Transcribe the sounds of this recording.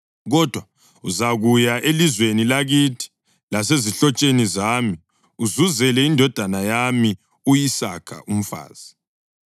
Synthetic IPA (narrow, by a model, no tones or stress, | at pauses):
ɣɔd̥ʱwa | uzaɣujaʔelizwenilaɣitʰi̥ | laseziɬɔt͡ʃʼenizaːmi | uzuzɛlɛindʱɔd̥ʱanajami | ujisakʰa̰ʔum̩fa̰ːz̥i